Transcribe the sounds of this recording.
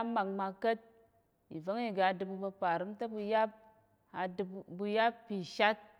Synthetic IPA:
a˦ma˨kma˧kə˦t̚ | i˨vo˦ŋi˨ɡa˧dɨ˧bu˧bɐ˧pa˨ɾɨ˦mta˦bu˧ja˦p̚ | a˧dɨ˧bbu˧ja˦bpːi˨ʃa˦t̚

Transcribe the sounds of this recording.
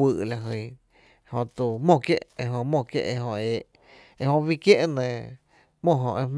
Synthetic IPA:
ɨ˧ʔla˨ɦɨ˧˨ | hõ˧t̪u˧˨mõ˧˨kje˦ʔe˧ɦõ˧mõ˧˨kjḛ˦ʔe˧ɦõ˧eː˨ʔ | e˧hõ˧wi˦˧kje˦ʔnẽ˧˨ | mõ˦˧˨ɦõ̰˧˨ʔe˧m

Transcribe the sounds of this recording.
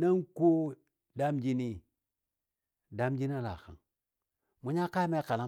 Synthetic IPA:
na˦ŋko˦ | da˦md͡ʒi˦ni˦ | da˦md͡ʒi˦n˦a˦la̰˨xa̰˨ŋ | mu˨˦ɲa˦ka˦me˦ka˨la˦

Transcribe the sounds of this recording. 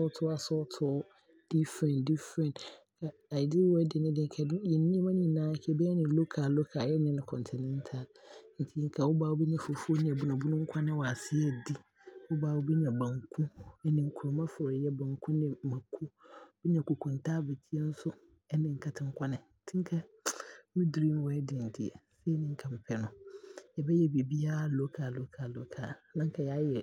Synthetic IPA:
sʊ˦tʰʊ˦a˨sʊ˦tʰʊ˦ | d̥i˦fɾɛ̃˨ndi˦fɾɛ̃˨nkʰa˨ | a˨di˦wɔ˦ɛ˦dɪ˨nɪ̃˦dɪ̃˨ŋ˦kʰɛ˨djɛ˨nĩ˦mã˦nɪ̃˦˨nãː˦kʰɛ˦bɛ˦ɛ˦nɪ̃˨lo˦kʰa˨lo˦kʰa˨jɛ˦nɪ̃˦nʊ̃˦kʰɔ̃˨n˨tʰɛ˨nɛ̃˦n˦tʰa˦˨ln̩˨tʰi˦ŋ̩˦kʰa˨wʊ˦baː˨wo˦bɛ˦ɲã˨fo˨fu˦o˦nɪ̃˨ɛ˨bu˦nã˨bu˦nʊ̃˦ŋ̩˦kʷʰa˦nɪ̃˦wa˨a˨sɪ˦ɛ˦˨di˦ | wʊ˦baː˨wo˦bɛ˦ɲã˨bã˨ŋkʰũ˦ɛ˦nɪ̃˨ŋ̩˨kʰu˨ɾo˨mã˦fʊ˨ɾjɛ˦bã˨ŋ˨kʰũ˦nɪ̃˨mã˨kʰu˦bɛ˦ɲ˦ã˨kʰu˨kʰʊ̃˨n̩˨tʰaː˦be˨tʰi˦e˦n̩˦sʊ˦ | ɛ˦nɪ̃˨ŋ̩˨kʰa˨tʰɪ̃˦ŋ̩˦kʷʰa˦nɪ̃˨˦tʰɪ̃˦ŋ˦kʰa˦ | mĩ˦dɾi˦m˦wɛ˦dɪ˨n̩˨tʰi˨ɛ̰˨sɛ˦nɪ̃˦ŋ̩˦kʰa˨m̩˨pʰɛ˦nʊ̃˨jɛ˨bɛ˦jɛ˦be˨bi˦a˦˨lo˦kʰaː˨lo˦kʰaː˨lo˨kʰaː˨nã˦ŋ˦kʰa˨ja˦jɛ˨

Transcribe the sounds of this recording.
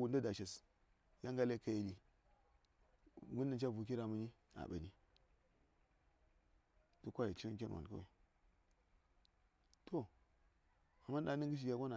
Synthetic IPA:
wu˨nda˦da˨ʃa˨s | ja˦ŋɡa˦le˦ka˨je˨li˨ | ŋɡu˦nː˦a˨nt͡ʃa˦vu˨k̬i˦ɾa˨mu˦ni˦ | a̰˨ɓa̰˨ni˦ | du˦kʷa˦ja˨t͡ʃi˦k̬ʲe˦n˨wa̰˨ka̰˦wḛ˨ | tʰo˨ | a˨mːa˦n˦ɗa˨˦nə˦ŋɡə˦ʃ̬i˨ɡʲa˨kʷa˦na˨

